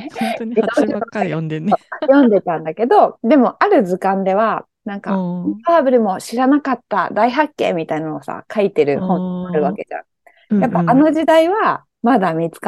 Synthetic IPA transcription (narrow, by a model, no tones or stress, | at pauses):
ioɕioojõ̞nd̪e̞t̪ãnd̪ake̞d̪o̞d̪e̞mo̞ʔaɾɯ̟d͡zɨkãnd̪e̞β̞a | nãŋka̰aːbɯ̟ɾɯ̟mo̞ɕiɾanakat̪ːa̰d̪aiɦakːẽ̞̰ːmʲit̪ainnoosa̰kait̪e̞ɾɯ̟hõ̞ŋaɾɯ̟βake̞d͡ʑã̰ | japːaano̞ʑid̪aiβa | mad̪amʲit͡sɨ̥ka